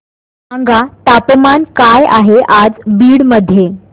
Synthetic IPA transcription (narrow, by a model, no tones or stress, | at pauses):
aŋɡat̪apmankajaɦeʔad͡zbiːɽməd̪ʱje